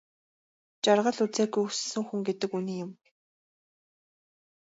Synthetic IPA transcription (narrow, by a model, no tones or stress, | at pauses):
t͡ɕarʁə̆ɮut͡seːɡujussɘ̆ŋxuŋɡet̪ɘ̆kuniːjʊm